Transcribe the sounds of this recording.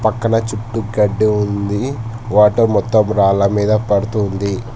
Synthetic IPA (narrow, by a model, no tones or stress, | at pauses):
pɐkːɐnɐt͡ʃuʈːuɡɐɖːiund̪i | ʋaːʈɐɾmɔt̪ːɐmɾaːlɐmiːd̪ɐpɐɽut̪und̪i